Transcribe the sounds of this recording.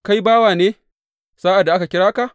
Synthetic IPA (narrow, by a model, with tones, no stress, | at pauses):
ka˦jbaː˦waː˨neː˦ | saː˦ʔa˨dːa˨ʔa˦ka˨kʲɪ˦ɽaː˦ka˨ʔ